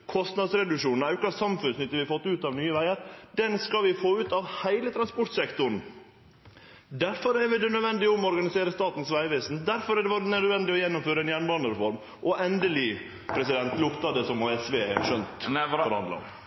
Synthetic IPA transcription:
kʰɔst̪nɑd̪sɾɛd̪ʉʂuːnn̩ɑʉkɑssɑmfʉnsnʏt̪ːəɾʋɪfɔt̪ːʉːt̪ɑʋnyːəʋæɪəɾd̪ɛnskɑlʋɪfoːʉːt̪ɑʋhæɪlət̪ʰɾɑnspɔʈ̪sɛkt̪ʊɳ̩ | d̪æɾfɔɾɛɾʋɪd̪ɛnœd̪ʋɛnd̪ɪɔmɔɔɾɡɑnɪseːɾəst̪ɑːt̪n̩sʋæɪʋeːsnd̪æɾfɔɾæɖɛʋɔɾnœd̪ʋɛnd̪ɪɔjɛnːʊmføːɾəɛnjæɳʋɑnəɾɛfɔɾm | ʔɔʔɛnd̪əlɪ | pʰɾɛsɪd̪ɛnt̪lʊkt̪ɑd̪ɛsɔmoːɛsʋeːɛ̰ʃœnt̪fɔɾhɑnd̪lɑ̰ɔ̰m

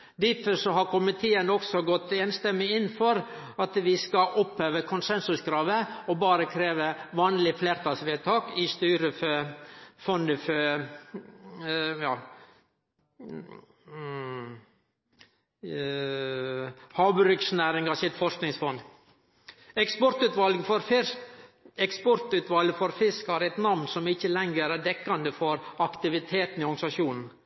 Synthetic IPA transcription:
d̪ɪfəsɔɦɑɾkʰʊmɪt̪ʰeːənɔksɔɡɔt̪ːeːnst̪ɛmːɪɪnːfɔɾ | ɑt̪ʋɪskɑʔɔphøːʋəkʰʊnsɛnsʉskɾɑːʋəɔbɑːɾəkʰɾeːʋəʋɑːnlɪfleːɾt̪ʰɑːsʋeːt̪ʰɑːkɪst̪yːɾəfœfɔnəfœ | jɑː | hɑːbɾʏksnæːɾɪŋɡɑsɪt̪fɔʂknɪŋsfɔnd̪ | ɛkspɔɾt̪ʉːt̪ʋɑlɡfɔɾf | ɛkspɔɾt̪ʉːt̪ʋɑlɡəfɔɾfɪskhɑɾɛt̪nɑʋnsɔmɪçəlɛŋɡəɾæɖɛkːɑnd̪əfɔɾɑkt̪ɪʋɪt̪ʰeːt̪n̩ɪɔɡsɑʃjuːnn̩

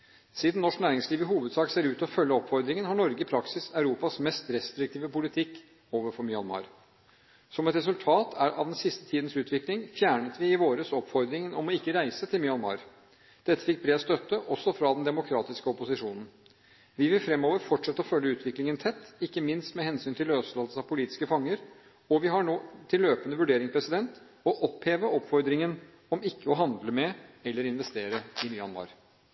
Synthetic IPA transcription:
siːd̪n̩nɔʂknæːɾɪŋsliːʋɪhuːʋəd̪sɑːkseːɾʉːt̪ɔfœlːəɔpfɔɾd̪ɾɪŋənhɑɳɔɾɡəɪpʰɾɑksɪsɑʉɾuːpɑsmɛst̪ɾɛst̪ɾɪk̚t̪ʰiːʋəpʊlɪt̪ʰɪkː | oːʋəɾfɔɾmʏɑ̰nmɑ̰ːɾ | sɔmɛt̪ɾɛs̬ʉlt̪ʰɑːt̪ʰæʔɑ̰ʋd̪ɛnsɪst̪ə̥t̪ʰiːd̪n̩sʉːt̪ʰʋɪklɪŋfjæːɳət̪ʋɪɪʋoːɾəsɔpːfɔɾd̪ɾɪŋənɔmɔɪkːəɾæɪsət̪ʰɪlmʏɑnmɑ̰ːɾ | d̪̥ɛt̪ːə̥fɪk̚ːbɾeːd̪st̪œt̪ːəʔɔsːɔfɾɑd̪nd̪ɛmʊkʰɾɑːt̪ɪskəɔpʊsɪʂuːnn̩ | ʋɪʋɪlfɾɛmːoːʋəɾfɔʈʂɛt̪ːəɔfœlːəʉːt̪ʋɪklɪŋənt̪ʰɛt̪ːɪkːəmɪnst̪mɛhɛnsyːnt̪ʰɪløːsɔːsəɑʋpʰʊliːt̪ɪ̥skəfɑŋːəɾ | ɔʋɪɦɑɳoːt̪ʰɪlːøːpənəʋʉɖeːɾɪŋspʰɾɛsɪd̪ɛnt̪ | ɔʔɔpheːʋəʔɔpːfɔɾd̪ɾɪŋən | ɔmɪkːəɔɦɑnd̪ləmɛɛlːəɾɪnʋɛst̪eːɾəɪnyːɑ̰nmɑ̰ɾ

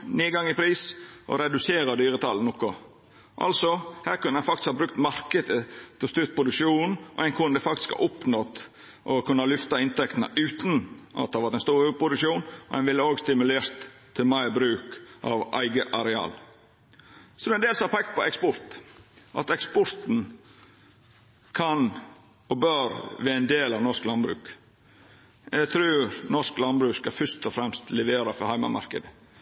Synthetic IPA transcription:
niːɡɑŋɪpʰɾiːsʔɔ̰ɾɛd̪ʉseːɾɑd̪yːɾət̪ʰɑ̰ln̩ɔkːɔ | ʔɑ̰lsɔhæːɾkʉnːəænfɑkt̪ɪ̥skhɑːbɾʉk̚t̪mɑɾkəd̪ət̪ʰɪlst̪yːɾpʰɾʊd̪ʉkʃuːnnʔɔ̰ɛɪnkʰʉnd̪əfɑk̚t̪ɪ̥skhɑ̰ːʔʊpnɔt̪ | ʔɔkʰʉnːɑlʏft̪ɑɪnt̪ʰɛkt̪ənə̰ʔʉːt̪nʔɑ̰t̪̚ːɑʋɑɾt̪ɛnst̪uːɾʉpʰɾʊd̪ʉkʃuːnɔæ̰ɪnʋɪlːəoːɡst̪ɪmʉleːɾt̪ʰː | ɪlmæɪbɾʉːkʔɑ̰ʋʔæ̰ɪɡəʔɑɾɛɑ̰ːl | sɔd̪ɛnd̪eːlsɑpʰɛk̚t̪̚pʰɔɛkspɔɾt̪ʔɑ̰t̪ɛkspɔɾt̪n̩ | kʰɑn | ɔbœɾʋɛænd̪eːlɑʋnɔʂklɑnbɾʉ̰ːk | ɛɡt̪ʰɾʉːɾnɔʂklɑnbɾʉːskɑfʏʂt̪ɔfɾɛmst̪ʰlɛʋeːɾɑfɔhæɪmɑ̰mɑ̰ɾkəd̪ə

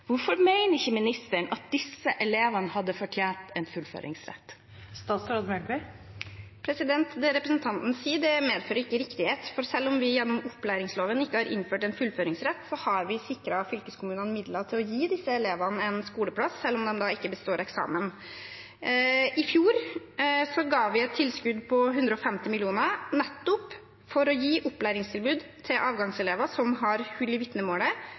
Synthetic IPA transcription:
ʋʊɾfɔɾmæɪnəɾɪçəmɪnɪst̪əɳʔɑt̪̚d̪ɪsːəʔɛleːʋɑnəhɑd̪ːəfɔʈʰjæːnʈ̪ɛnfʉlfø̰ːɾʔɪ̰ŋsɾɛ̰t̪ː | st̪ɑːt̪sɾɑd̪mɛɡɛ | pʰɾɛsɪd̪ɛnt̪d̪ɛɾɛpɾəsnt̪ʰɑnt̪n̩siːd̪ɛmeːd̪føːɾəɾɪkːəɾɪkt̪ɪheːt̪fɔɾsɛlːɔmʋɪjɛnːʊmʊpːlæɪɾɪŋsloːʋənɪkːəhɑːɾʔɪ̰nføːʈɛɪnfʉlføːɾɪŋsɾɛt̪ːsɔhɑɾʋɪsɪkɾɑfʏlkəskʰʊmʉːnənəmɪd̪lɑt̪ʰɪlɔjiːd̪ɪsːəɛleːʋɑnəɛnskuːləpʰɽɑsːɛlːɔmd̪ɛmd̪ɑɪkːəbəst̪oːɾɛksɑ̰ːmən | ɪfjuːɾ | sɔɡɑːʋɪɛt̪ʰːɪlskʉd̪pʰɔɦʉnd̪ɾəɔfɛmt̪ɪmɪlɪuːnənɛt̪ːʊp | fɔɾɔjiːʔɔpːlæɪɾɪŋst̪ʰɪlbʉːd̪t̪ʰɪlʔɑːʋɡɑŋsɛleːʋɑsɔmɦɑɾhʉlːɪʋɪt̪nəmoːlə

